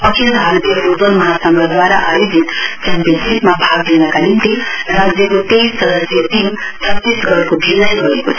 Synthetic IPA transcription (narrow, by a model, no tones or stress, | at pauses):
ʌkʰild̪ʱaɾt̪ijʌɾod͡zʌnmʌɦasamlad̪waɾaʔajod͡zit̪kampjʌnsismabʱaɡlenʌkanimt̪irad͡zjʌkot̪essʌd̪ʌsjʌt̪im | t͡sʰʌt̪ːisɡʌɾkobʱilʌjɡʌɾekot͡sʰ